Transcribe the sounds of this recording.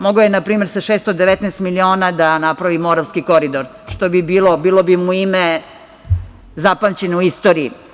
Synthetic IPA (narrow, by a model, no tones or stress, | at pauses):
moɡojenapɾiːme̞ɾsaʃest̪od̪eʋet̪nɛːst̪milio̞ːnad̪anapɾaʋimo̞ɾaʋskiko̞ɾid̪oɾ | ʃt̪obibiːlobiːlo̞bimuime | zapamt͡ɕenouist̪oːɾiː